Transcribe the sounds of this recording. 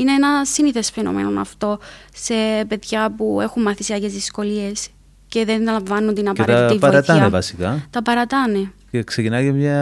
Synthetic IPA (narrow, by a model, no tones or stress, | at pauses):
ineenɐsiniθesfeno̞̰mḛnonɐ̰ft̪o̞se̞pe̞ðʝɐpue̞xummɐθisiɐcezðisko̞lie̞s | ce̞ðenɐlɐɱvɐnːund̪inɐpeɐɾt̪ɐiɐɾɐt̪ɐnevɐsikɐt̪ɐpɐɾɐt̪ɐneceksecinɐcemɲɐ